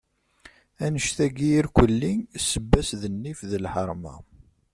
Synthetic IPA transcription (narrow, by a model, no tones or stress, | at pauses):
ænəʃθæɡijiɾkʷəlːisəbːæsðənːifðəlħəɾˤmæ̰